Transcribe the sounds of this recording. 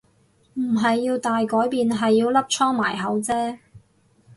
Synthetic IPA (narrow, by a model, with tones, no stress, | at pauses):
m̩˨˩ɦɐ˨jːiː˧wt̪aː˨jkɔː˨˥jpiː˨nɦɐ˨jːiː˧wlɐ˥p̚t͡ʃʰɔː˥ŋmaː˨˩jɦɐ˨˥wt͡sɛː˥